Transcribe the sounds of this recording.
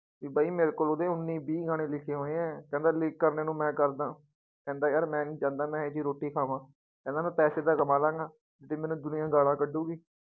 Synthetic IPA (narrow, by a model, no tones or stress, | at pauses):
iːbaːiːmeːɾeːkoːlod̪ẽːʊnːiːbiːɡaːɽ̃ẽːlɪkʰeːɦoːeɛ̃ːkɛ̃ːnd̪aːlɪkːəɾneːnũːmɛ̃ːkəɾd̪ãː | kɛ̃ːnd̪aːjaːɾmɛ̃ːnĩːd͡ʒãːnd̪aːmɛ̃ːeːd͡ʒiːɾoːʈːiːkʰaːʋãː | kɛːnd̪aːmɛ̃ːpɛːseːd̪aːkəmãːlãːŋɡaː | d͡ʒɪt̪eːmɛ̃ːnũːd̪ʊnɪjãːɡaːlãːkəɖuːɡiː